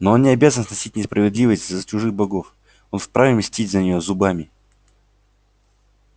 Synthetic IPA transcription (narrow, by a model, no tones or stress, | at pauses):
noonnʲɪɐbʲazənsnɐsʲitʲnʲɪspɾəvʲɪd̪lʲivəsʲtʲzət͡ɕʊʐɨxbɐɡo̞f | o̞nfpɾavʲɪmʲsʲtʲitʲzənʲɪjo̞zʊbamʲɪ